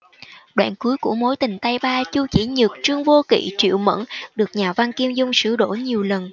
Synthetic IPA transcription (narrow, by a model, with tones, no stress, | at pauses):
ɗwa̰ː˧˨nku˨˦əjkṵ˧˩əmo˨˦jt̪ï˨˩ŋ̟t̪a˧jɓaː˧t͡ɕu˧t͡ɕḭ˧˩ɲɨ˨˩k̚t͡ɕɨ˧əŋvo˧kḭ˧˨t͡ɕḭ˧˨wmə̰˧˥nɗɨ˨˩ək̚ɲaː˨˩va˧nki˧əmzʊ˧ŋ͡msɨ̰˧˩ɗo̰˧˩ɲi˨˩əwlə˨˩n